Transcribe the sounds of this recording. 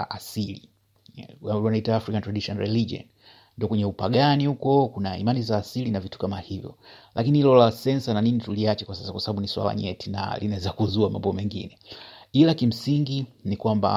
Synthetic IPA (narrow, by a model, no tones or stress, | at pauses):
ʔasili | aanaitaːfɾikantɾaɗiʃɔnɾɛlid͡ʒiɔ̰n | ndiɔkwɛɲɛupaɠanihukɔkunaḭmanizaːsilinavitu̥kamahivjɔ̰lʔakinilɔlasɛnsananinituliat͡ʃɛkwasasakwasabɓaɓuniswa̰la̰ɲɛtina̰linaɛzakuzuama̰mbɔmɛŋɡḭnɛilakim̩siŋɡinikwamba̰